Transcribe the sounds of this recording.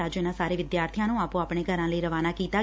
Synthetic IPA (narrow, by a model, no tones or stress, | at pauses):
aːd͡ʒjənãsaːɾeʋɪd̪jaːɾt̪ʰijãnũaːpũaːpɳ̃eɡʱəɾãləiɾəʋanakiːt̪a